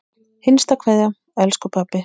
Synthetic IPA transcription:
hɪnst̪akʰvɛðja | ɛlskʏpʰapːɪ

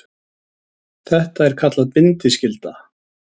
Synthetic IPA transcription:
θɛht̪aɛɾ̥kʰat̪laðpɪnt̪ɪscɪlt̪a

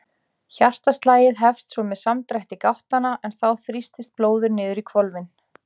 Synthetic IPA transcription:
çar̥t̪ast̪laːjɪðɦɛfst̪sɔmɛðsamt̪ɾajht̪ɪkawht̪anaʔɛnθawθɾist̪ɪst̪̚ploːwðʏɾnɪːðʏɾikʰvɔlvɪn

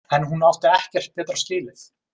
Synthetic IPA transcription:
ɛnɦunawft̪ɪɛhcɛr̥t̪̚pɛːt̪ɾascɪːlɪθ

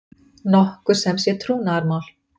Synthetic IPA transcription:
nɔhkʏɾ̥sɛmsjɛt̪ʰɾuːnaaɾmawl̥

